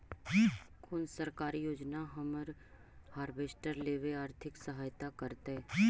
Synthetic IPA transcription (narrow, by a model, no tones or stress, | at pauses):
kʰʊnsəɾkaːɾijoːd͡ʒnaɦɐməɾ | haːɾbeːsʈəɾleːʋeaːɾt̪ʰɪksəɦaːjt̪akəɾt̪eː